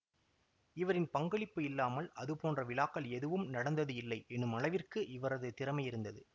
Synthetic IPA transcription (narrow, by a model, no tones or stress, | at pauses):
ɪʋɐɾɪnpɐŋɡɐɭɪpːɯɪlːaːmɐlɐðɯpoːndrɐʋɪlaːkːɐlɛðɯʋɯmnɐɽɐnd̪ɐðɯɪlːɐɪʔɛnːɯmɐɭɐɪʋɪrkɯʔɪʋɐɾɐðɯt̪ɪɾɐmɐɪjɪɾɯnd̪ɐðɯ